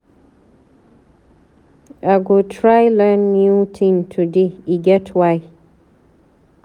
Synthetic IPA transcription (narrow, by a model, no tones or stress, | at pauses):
ʔaɡotʰɹajlãnːjutʰĩmtʰudeiɡɛtʰwaj